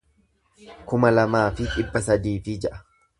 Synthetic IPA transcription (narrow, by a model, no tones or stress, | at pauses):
kʊmɐlɐmaːfɪᶑʼɪbːɐsɐd̪iːfɪd͡ʒɛʔɐ̥